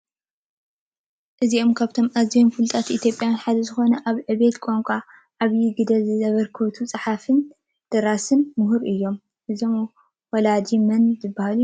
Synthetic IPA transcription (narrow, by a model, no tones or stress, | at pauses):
ʔɨziʔo̞mkʰaβt̪ʰo̞mʔazijomfɨlt̪ʼat̪ʔit̪ʰjo̞pʼjanħad̪ɐzɨxo̞nɐʔaβʕɨβe̞t̪kʼomkʷʼa | ʔaβjiɡɨd̪ɐzɨzɐβɐɾkʰot̪ʰut͡sʼɨħafɨn | d̪̥ɐɾasɨnmʊɦuɾʔɨjːo̞m | ʔɨzom | wɔlad̪imɐnzɨbːahaluj